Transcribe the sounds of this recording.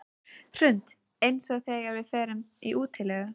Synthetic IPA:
r̥ʏnt̪ | ejnsɔɣθɛːɣaɾvɪðfɛːɾʏmiʔuːt̪ʰɪlɛɣʏ

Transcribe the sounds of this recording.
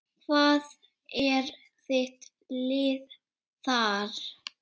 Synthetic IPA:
kʰvaːð | ɛɾ | θɪht̪ | lɪːð | θaɾ

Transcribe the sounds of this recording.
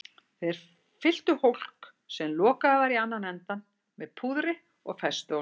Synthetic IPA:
θejðɛɾ | fɪl̥t̪ʏhowl̥k | sɛmlɔːkavaɾianːanɛnt̪an | mɛðpʰuðɾɪ | ɔɣfɛst̪ʏo

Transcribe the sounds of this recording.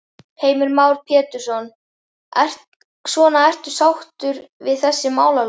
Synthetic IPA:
heːjmʏɾmaːwɾ̥pʰjɛːt̪ʏɾ̥sɔn | svɔːnaɛr̥t̪ʏ̥sawht̪ʏɾvɪðθɛsːɪmaːwlal

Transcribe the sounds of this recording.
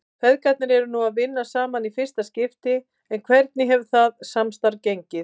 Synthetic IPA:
kfʰvɛðkat̪̚nɪɾɛɾʏnuaðvɪnːasaːmanifɪr̥st̪ascɪft̪ɪ | ɛnkʰv̥ɛɾt̪nɪɦɛvθaðsamst̪aɾcejɲcɪð

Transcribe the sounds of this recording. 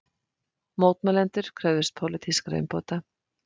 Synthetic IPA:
moːwt̪mɛlɛnt̪ʏɾ̥kʰɾœvðɪst̪̚pʰowlɪt̪ʰiskɾḛjmpoːt̪a

